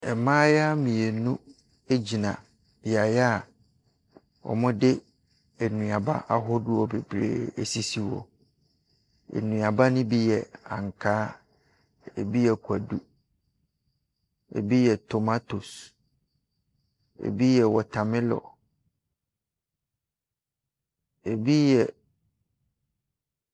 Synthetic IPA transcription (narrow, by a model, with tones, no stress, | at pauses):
ɛ˨mãː˦ja˦mĩ˨e˨nũ˦ | e˦d͡ʑi˨nã˨ | b̥i˨a˨ja˦˨ | ɔ̰˨mʊ̃˦dɪ˦ | ɛ˨nũ˨a˨ba̰˦ʔa˨ɦɔ˦dʊ˦ɔ˨be˨bɾḛː˨e˨si˦si˦wɔ̰˨ | ḛ˨nũ˨a˨ba˦nʊ̃˦bi˦jɛ˨ã̰˨ŋ˨kʰaː˦ | ḛ˨bi˦jɛ˨kʰʷu˨æ˨du˦ | ḛ˨bi˦jɛ˨tʰo˨ma˦to˨s | ḛ˨bi˦jɛ˨wɔ˨tʰã˨mɪ̃˦lɔ̰˨ | e˨bi˦jɛ˨